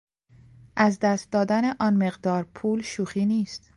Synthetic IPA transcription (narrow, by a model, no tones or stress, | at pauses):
ʔæzd̪æst̪̚d̪ɒːd̪æneʔɒːnmeɣd̪ɒːɾpʰuːlʃuːxiːniːst̪